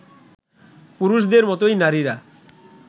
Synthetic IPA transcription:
puɾuʃ̬d̪eɾmɔt̪ojnaɾiɾa

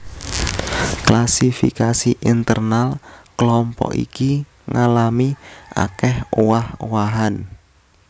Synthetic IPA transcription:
klasifikasiʔint̪ərnalklɔmpɔ̰ʔḭki | ŋalamiʔa̰kɛhowahowaɦan

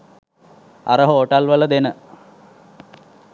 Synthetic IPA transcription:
a̰ɾəɦooʈɐlʋələd̪enə

